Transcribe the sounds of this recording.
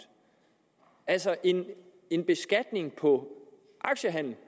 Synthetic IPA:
ælsɐʔe̝n | e̝nb̥e̝sɡ̥æd̥ne̝ŋpʰɒ̽ | ʔɑ̈ɡ̥ɕəɦæn̰l̩

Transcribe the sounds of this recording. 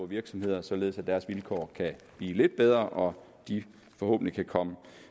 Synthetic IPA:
ʋiɐɡ̥sɒ̽mhe̝ð̞̰ˠɐsɒ̽le̝ð̩ˠsæd̥æɐsʋilkʰɒ̰ːkʰæb̥lḭːle̝d̥̚b̥eð̞ˠʁɐʔɒ̽ | d̥i | fɒ̽ho̰̽ːb̥n̩likʰækʰɒ̽mə

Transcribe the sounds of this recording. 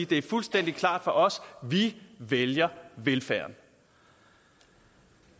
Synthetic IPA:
d̥e̝æɐfulsd̥en̰d̥ikʰlɑ̰̈ːd̥fɒ̽ʔɒ̽sʋiʋeljɐʋelfæɐn

